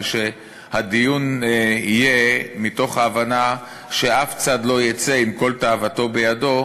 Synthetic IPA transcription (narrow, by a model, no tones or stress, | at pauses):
ʃe̞ | hadijunijemito̞χhaːvana | ʃe̞aft͡sad̪lo̞jet͡seimko̞ltaavato̞be̞jado̞